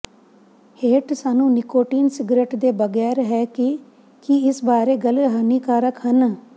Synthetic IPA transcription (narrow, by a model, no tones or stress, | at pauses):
heːʈsaːnũːnɪkoːʈiːnsɪɡɾeːʈd̪eːbəɡɛːɾɦɛːkɪ | kiɪsbaːɾeːɡəlɦəniːkaːɾəkɦən